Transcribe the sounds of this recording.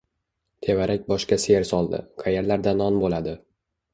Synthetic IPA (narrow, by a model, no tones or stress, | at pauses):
t̪ʰe̞vaɾʔakʲbɒʃkʲaseɾsɒlˠd̪ɪ̰qʰajeɾlaɾd̪anɒnbolad̪ɪ